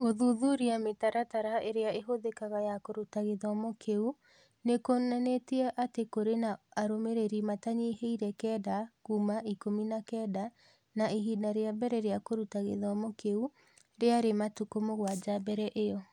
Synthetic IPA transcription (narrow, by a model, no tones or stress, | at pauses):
oðuðuɾiametaɾataɾaeɾeaeɦoðekaɣajakoɾutaɣeðɔmɔkʰeu | nekonaneteɛʔatekoɾenaaɾomeɾeɾimataɲiɦeiɾɛkɛːdakuːmaikominakɛːda | naiɦidaɾeabɛɾɛɾeakoɾutaɣḛðɔmɔkeu | ɾeaɾematukomoɣwad͡ʒabɛɾɛʔejɔ